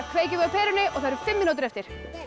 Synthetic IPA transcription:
kʰv̥eːjcɪɣœpʰɛːɾʏnɪʔɔɣθaðɾʏ̥fɪmːinut̪ɪɾɛft̪ɪɾ̥

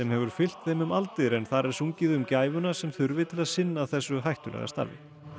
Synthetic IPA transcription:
ɛmhɛvʏɾ̥fɪl̥t̪θejmʏmalt̪ɪðɾɛnθaɾɛɾ̥suɲcɪðʏmcaːjvʏnasɛmθʏɾvɪt̪ʰɪlaðsɪnːaːðθɛsːʏɦajht̪ʏlɛ̰ɣa̰st̪a̰ɾvɪ̰

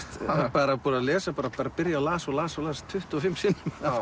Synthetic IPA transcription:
tpaːɾapɔːɾaðlɛːsapaːɾapaːɾapɪɾjalaːsɔlaːsɔlaːst̪ʰːʏht̪ɔfɪmːsɪnːʏma

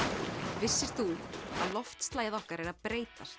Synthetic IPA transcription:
vɪsːɪst̪θua̰ðlɔft̪st̪laːjɪðɔhkaɾɛɾaðpɾeːjt̪ast̪

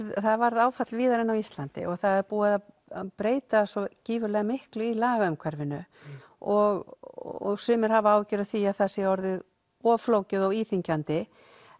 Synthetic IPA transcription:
ðθaðvaɾðaːwfat̪lviːðaɾɪnːawist̪lant̪ɪ̰ʔɔɣθaðɛɾpuːaða | aðpɾeːjt̪asɔciːvʏlɛɣamɪhklʏilaːɣaʏmkʰvɛɾvɪnʏ | ɔɣɔɣsʏːmɪɾ̥havaːwvcʏɾʏθiaðθasɛɔɾðɪð | ɔvfloːwcɪðɔwiːθiɲcant̪ɪ

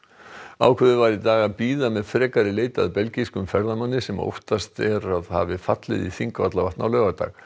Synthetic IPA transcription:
a̰ːwkʰvɛðʏvaːɾit̪aːɣaðpiːðamɛðfɾɛːkaɾɪleːjt̪a̰ðpɛlciskʏmfɛɾðamanːɪsɛmo̰wht̪ast̪ɛɾaðha̰vɪfa̰t̪lɪ̰ðḭθiŋkva̰t̪lavaht̪nawlœːɣat̪a̰ɣ

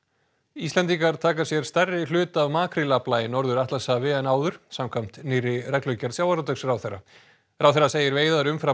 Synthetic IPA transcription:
ist̪lɛnt̪iŋkaɾ̥t̪ʰaːkḁsjɛɾ̥st̪ɛrːɪlʏːt̪avmaːkʰɾɪlaplaːjɪnɔɾðʏɾaht̪lasavɪɛnaːwðʏɾ̥samkʰam̥t̪nɪrːɪrɛklœɥcaɾðsjaːwaɾat̪œksrawθɛrːa̰ | ɾawθɛrːaseːjɪɾveːjðaɾʏmfɾa

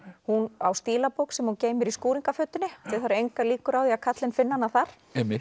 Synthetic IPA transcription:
hunawst̪iːlapowksɛmhunceːjmʏɾiskuːɾiŋkafœːt̪ːʏnːɪat̪ɪθaɾejŋkaliːkʏɾawðiakʰat̪lɪnfɪnːanaθaɾ̥ | ɛmɪ

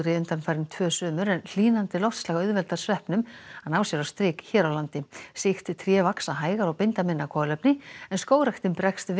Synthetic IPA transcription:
ɾɪʏnt̪anfajɾɪnt̪ʰvœːsʏːmʏɾɛnl̥iːnant̪ɪlɔwht̪slaːɣaʏðvɛlt̪aɾ̥svɛhpnʏmanaːwsɛɾawst̪ɾɪːkçɛːɾawlant̪ɪsɪxt̪t̪ʰɾjɛvaksaɦaːjɣaɾɔɣpɪnt̪amɪnːakʰɔlœpnɪɛnskoːwɾajxt̪ɪmpɾɛkst̪v

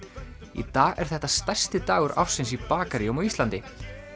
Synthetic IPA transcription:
ḭt̪aːɣɛ̰ɾ̥θɛht̪ːast̪ajr̥st̪ɪt̪aːɣʏɾʔa̰fsɪnsipaːkaɾɪɔmaist̪lant̪ɪ

